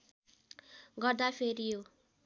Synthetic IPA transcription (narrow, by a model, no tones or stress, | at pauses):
ɡʌrd̪apʰeɾijo